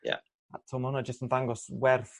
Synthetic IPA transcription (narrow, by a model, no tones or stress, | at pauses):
ja̰ | a̰tʰɔmhʊnɔd͡ʒəstənðaŋɡɔswɛrθ